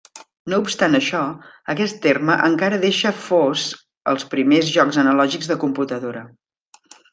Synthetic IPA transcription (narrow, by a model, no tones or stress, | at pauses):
noupst̪anəʃɔ | əkɛst̪ːerməʔəŋkaɾəðeʃəfoz | ə̰lˠspɾimezʒɔkzənəlɔʒiɡzðəkumput̪əðoɾə